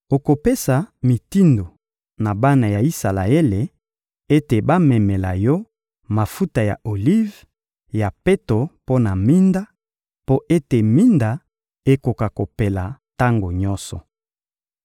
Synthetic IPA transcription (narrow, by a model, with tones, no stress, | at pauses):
o˨ko˨pe˦sa˨mi˨ti˦ndo˨ | na˨ba˦na˨ja˨i˦sa˨la̰˨e˦le˨ | e˦te˨ba˦mɛ˨mɛ˨la˨jɔ˦ | ma˨fu˦ta˨ja̰˨ʔo˨li˦v | ja˨pe˦to˨po˦na˨mi˦nda˦ | po˦ʔe˦te˨mi˦nda˨ | e˦ko˨ka˨ko˨pe˨la˨ta˦ŋɡo˨ɲɔ˦sɔ̰˨